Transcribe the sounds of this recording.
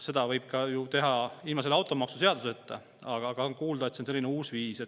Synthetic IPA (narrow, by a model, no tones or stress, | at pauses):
se̞d̪ɑvɤjb̥̚kɑjut̪e̞ɦɑilmɑs̬e̞lɑwt̪ˑo̞mɑksuse̞ɑd̪uset̪ˑːḛ | ɑɡ̥ɑɡ̥ɑnkuːld̪ɑet̪sense̞lːineuːsviːse̞t